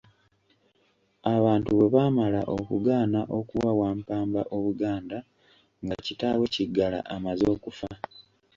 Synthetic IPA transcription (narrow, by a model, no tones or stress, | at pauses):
aβaːntuβe̞βaːmala̰ʔokuɡaːnaʔo̞kuwawaːmpaːmbaʔo̞βuɡaːnda | ŋɡacitaːwe̞ciɡːala̰ʔamazo̞ːkufa